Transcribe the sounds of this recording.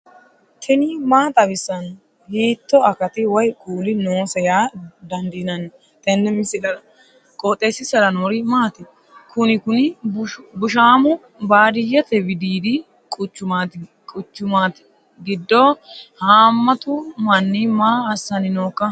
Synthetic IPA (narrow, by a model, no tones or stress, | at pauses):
t̪ʰɛnɪmaːt̪ʼɐbɪsːɐn | hiːt̪ːɔɐkɐt̪ɪwɔjkʼuːlɪnoːsɛjaːd̪ɐnd̪inɐnː | t̪ɛnːɛmɪsɪlɐɾɐ | kʼɔːt̪ʼːeːsːɪsɐlɐnoːɾɪmaːt̪ɪ | kʰʊnɪkʊnɪbʊʃaːmʊ | baːd̪ɪjːɐt̪ɛbɪd̪iːd̪ɪ | kʼʊt͡ʃːʊmaːt̪ | kʼʊt͡ʃːʊmaːt̪ɪ̥ | ɡɪd̪ːohaːmːɐt̪ʊmɐnːimaːɐsːɐnɪnoːkːɐ